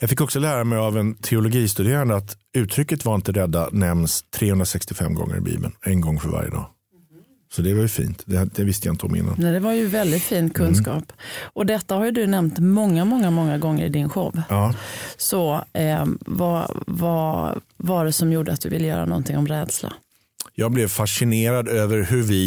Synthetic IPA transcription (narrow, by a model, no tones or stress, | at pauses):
jɑfɪkːɔksɔlæːɾamɛjavɛnt̪ʰɛʊlɔɡiːst̪ɵd̪eːɾand̪əat̪ʉ̟ːt̪ʰɾʏkːət̪vaɾɪnt̪əɾɛd̪ːanɛmnst̪ʰːɾeːhɵnd̪ɾasɛkst̪ɪfɛmɡɔ̰ŋːə̰ɾɪ̰bḭːbə̰nɛnɡɔŋːfœɾva̰ɾjə̰d̪ɑ̰ː | sɔd̪ɛvajɵfḭːnt̪d̪ɛd̪ɛvɪst̪əjaɪnt̪əɔmɪ̰nːa̰nnɛd̪ɛvaɾjɵvɛld̪ɪt̪fiːnt̪̚kʰɵnskɑːpʔɔd̪ɛt̪ːahaɾjɵd̪ɵnɛmnt̪mɔŋːamɔŋːamɔŋːaɡɔŋːəɾɪd̪ɪnɧɔvːɑːsɔ | va̰vɑvaɖɛsɔmjuːɖəat̪̚d̪ɵvɪlːəjœ̰ːɾa̰nɔ̰nt̪ʰɪŋɔmɾɛːd̪sla̰ | jɑːɡ̚blɛvfaʂɪneːɾad̪øːvəɾhɵvɪ